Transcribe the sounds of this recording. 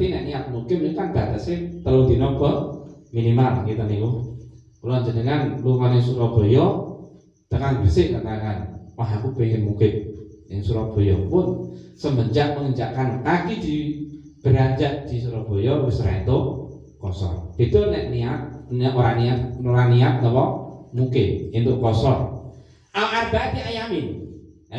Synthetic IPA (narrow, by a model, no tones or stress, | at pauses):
t̪inɛʔniat̪̚mukɪmnukand̪at̪aʔsɪt̪əlod̪inɔpəminimalkit̪əniku | kəlɔaɲd͡ʒənəŋanluŋɔnɪŋsuɾɔbojɔ | t̪əŋaŋbisɪʔk̪ənaŋanwaɦakupekɪnmukɪmɪŋsuɾɔb̥ojɔ̰pʊnsəmbəɲd͡ʒaʔ̚məŋəɲd͡ʒa̰ʔkant̪aɡid̪i | b̥əɾad͡ʒaʔd̪̥is̬uɾɔb̥ojɔbɪsɾa̰int̪ʊ | kɔsɔ̰rpit̪unɛʔniat̪̚nʔuɾaniatnuɾaniat̪̚nəwɔmukɪt̚int̪ʊʔkɔsɔr | ʔaʔarbat̪iajamɪn